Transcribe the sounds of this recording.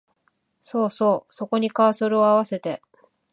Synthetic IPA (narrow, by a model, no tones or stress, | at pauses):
so̞ːso̞ːso̞ko̞ɲ̟ikaːsoɾɯ̟o̞aβ̞ase̞t̪e̞